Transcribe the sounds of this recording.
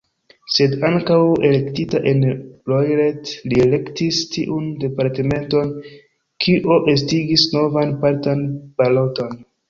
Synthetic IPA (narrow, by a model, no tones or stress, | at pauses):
se̞daŋkawe̞le̞ktitaʔe̞nɾojɾetliele̞ktistiʔunde̞paɾte̞me̞nto̞n | kʰiʔoʔe̞stiɡisno̞vanpaɾtanbalo̞to̞n